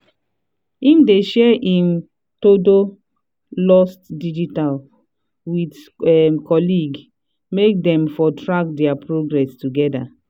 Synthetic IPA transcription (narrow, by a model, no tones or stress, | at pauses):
ĩmdeʃɛʔĩm | todo | lɔstdid͡ʒital | wid | ɛmkʰɔliɡ | mek̚dɛ̃mfɔtʰɹak̚dɛapɹoɡɹɛstuɡɛda̰